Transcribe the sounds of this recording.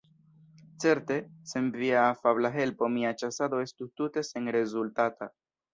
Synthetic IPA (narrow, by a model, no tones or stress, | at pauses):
t͡se̞ɾte̞se̞nviafablaɦe̞lpo̞miat͡ʃasado̞e̞stutute̞se̞nɾe̞zultata